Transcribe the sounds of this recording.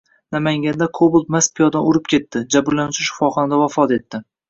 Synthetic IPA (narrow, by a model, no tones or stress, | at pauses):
namaŋɡʲand̪akʰobʊlˠmaspʰijɒd̪anʊɾɪp̚kʲe̞t̪ːɪd͡ʒabɪɾlanɪt͡ʃʰɪʃɪ̥fɒχɒnad̪avafɒt̪e̞t̪ʰːɪ